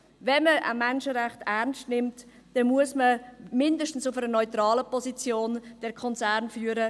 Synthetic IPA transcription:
vɛnməə̰mɛnʃəʁɛχtæʁnstnɪmt | d̥ɛnmuəsməmɪndəʃtən̩sʊfəɾənɔʏtrɑːləpɔsit͡sjoːnd̥ɛɾkʰɔnt͡sæːɾnfyːəɾə

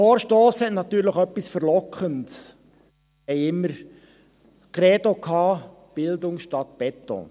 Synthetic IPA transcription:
foːɾʃtoːshɛtnɑt̪yːɾləχœpːisfəɾlɔkχənts | ɛɪɪmːəɾ | kɾɛdokʰɑːb̥ɪld̪ʊŋsʃtɑt̪̚b̥ɛt̪ːɔ̰̃

